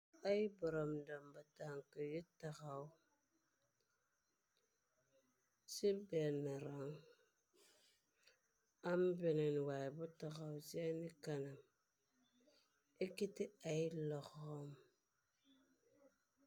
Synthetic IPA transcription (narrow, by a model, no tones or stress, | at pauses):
aibɔɾomdambataŋkəjitaɣau | sibɛnaɾaŋ | ambinenwajbutaɣausɛnikanam | ekitialɔɣom